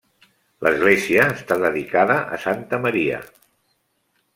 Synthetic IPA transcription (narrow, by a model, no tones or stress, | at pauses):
ləzɣleziəːst̪aðəðikaðəʔə̰sant̪əməɾiə̰